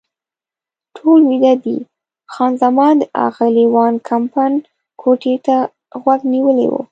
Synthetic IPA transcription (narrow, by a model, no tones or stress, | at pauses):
ʈʰolwid̪ad̪ḭ | xɑnzamɑnd̪əʔɑ̰ɣaliwɑnkʰampan | kʰoʈet̪a | ɣwaɡniwəlḛwo̰